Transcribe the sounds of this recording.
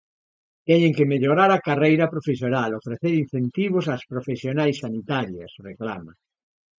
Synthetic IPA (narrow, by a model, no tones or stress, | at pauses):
t̪ɛɲeŋkemeʎoɾaɾakarejɾapɾofesjonalofɾeθeɾin̟θent̪iβ̞osaspɾofesjonajsːanit̪aɾjɐsrekla̰ma